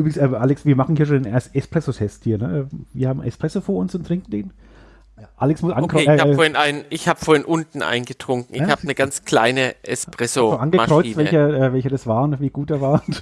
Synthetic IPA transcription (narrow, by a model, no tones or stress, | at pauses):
yːbʁɪɡŋ̩sɛːmʔaːlɪksviːɐmaχn̩hiːɐʃ̬oːndeːnɛsɛspʁ̥ɛsotʰɛsthiːɐnəʔɛːviːɐhaːbmʔɛ̰spʁ̥ɛsofoːɐʊnsʊntʁ̥ɪŋkn̩deːn | ʔalɪksmʊsʔa̰nɡkʁɔɛːoːɐɪnaɪnʔɪçhaːbə̥foɐhɪnʔʊntn̩ʔa̰ɪnɡətʁ̥ʊŋkŋ̩ɪçhaːbənəɡant͡skla̰ɪnəʔɛspʁ̥ɛsoanɡəmaʁ̥ɔʏit͡sːtvɛlçɐʔɛːvɛlçədasv̥aːʁənviːɡ̥uːt̚d̥ɛːɐvaː